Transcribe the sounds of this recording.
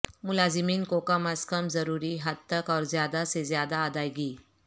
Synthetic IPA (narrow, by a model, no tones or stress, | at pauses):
mulazimiːnkokamaskəmzəɾuɾiːɦad̪̚t̪əkɔːɾzjad̪asezjad̪aːd̪ajɡiː